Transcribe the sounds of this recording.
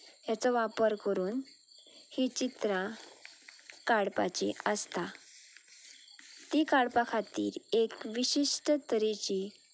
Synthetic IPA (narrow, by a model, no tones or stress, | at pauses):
jat͡sɔʋapəɾkəɾuːn | hit͡ɕit̪ɾã | kaɽpa̰t͡ɕḭəst̪a | t̪ikaɽpakʰat̪ḭːɾekʋiɕiʂʈət̪əɾet͡ɕi